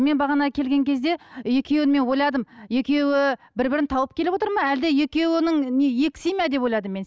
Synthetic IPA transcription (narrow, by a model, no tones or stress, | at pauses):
me̞nbɑʁɑnɑkʲʰe̞lɡʲe̞ŋkʲʰe̞zd̪e̞je̞kʲʰe̞wɪnme̞nwo̞jlˠɑd̪əmje̞kʲe̞wɪbɪɾbɪɾɪnt̪ʰɑwəp̚kʲʰe̞lɪpwot̪əɾmɑæld̪eje̞kʲe̞wɪnɪŋneje̞kʲsijmæd̪epwojlˠɑd̪əmːe̞ns